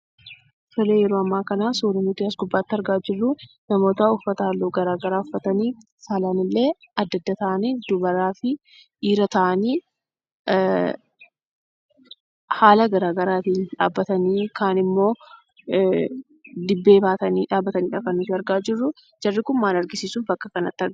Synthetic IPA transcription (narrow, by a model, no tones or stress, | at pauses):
sɔleːjɛɾoːɐmːaːkɐnaːsuːɾɐnʊt̪ːiɐsɡʊbːaːt̪ːɐɾɡaːd͡ʒɪrːʊ | nɐmo̞ːt̪aʊfːɐt̪ɐɐlːoːɡɐɾaːɡɐɾaːʊfːɐt̪ɐniː | salanɪlːe̞ː | ɐd̪ːɐd̪ːɐt̪ɐʔɐniːd̪ʊbɐɾaːfɪ | ʔiːɾɐt̪ɐʔɐniː | haːlɐɡɐɾaːɡɐɾaːt̪iːnᶑa̰ːbːɐt̪ɐniːkaːnɪmːo̞ː | d̪ɪbːeːbaːt̪ɐniːᶑaːbːɐt̪ɐniːᶑɐkɐnːʊt̪ɪɐɾɡaːd͡ʒɪrːʊ | d͡ʒɐrːɪkʊnmaːlɐɾɡɪsiːsufbɐkːɐkɐnɐ̰t̪ːɪɐɾɡ